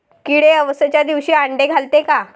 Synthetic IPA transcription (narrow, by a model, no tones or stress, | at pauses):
kiɽeəʋəsət͡ɕjad̪iʋɕiːaɳɖeɡʱalt̪eka